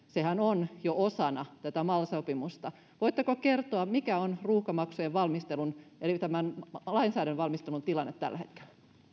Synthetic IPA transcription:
sehænonjoʔosɑnɑt̪æt̪æmɑlsopimust̪ɑ | ʋoijt̪ːekokert̪oɑmikæonruːhkɑmɑksujeʋʋɑlmist̪elunelit̪æmænlɑinsæːɾænʋɑlmist̪elunt̪ilɑnːet̪t̪ːæ̰lːæhet̪ke̥lːæ̥

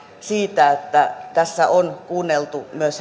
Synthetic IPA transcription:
siːt̪æet̪ːæt̪æsːæʔonkuːnːelt̪umyøs

